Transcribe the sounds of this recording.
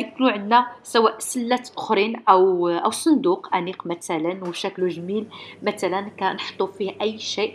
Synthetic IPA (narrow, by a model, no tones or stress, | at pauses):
knuʕənːæsæwæʔsəlːæt̪ʔʊ̥xɾinʔæwʔəwsˤənd̪uqʔæ̰niqmæt̪ælənwʃækluʒmilmæt̪ælənkænħt̪ˤːufihʔəjːʃiʔ